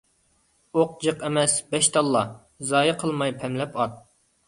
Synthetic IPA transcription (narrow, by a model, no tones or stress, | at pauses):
oq̚d͡ʒəqɛmɛsbɛʃt̪ʰɑlˠːɑ | zɑːjəqʰəlˠmɑjpʰɛmlɛpɑt̪̚